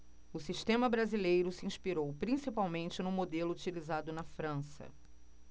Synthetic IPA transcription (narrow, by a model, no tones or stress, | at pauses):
ʊsiʃt̪ẽmɐbɾazilejɾʊsɪĩʃpiɾowpɾĩsipawmẽnt͡ʃɪnʊ̃mod̪elʊut͡ʃilizad̪ʊnɐfɾɐ̃sɐ̰